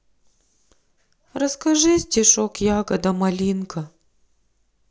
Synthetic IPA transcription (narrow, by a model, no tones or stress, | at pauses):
ɾɐskɐʐɨzʲdʲɪʂokjaɡɐd̪ɐmɐlʲinkɐ